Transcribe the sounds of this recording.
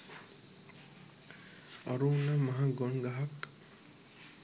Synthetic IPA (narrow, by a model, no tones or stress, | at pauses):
ɔ̰ɾunamaɦaɡonɡaɦak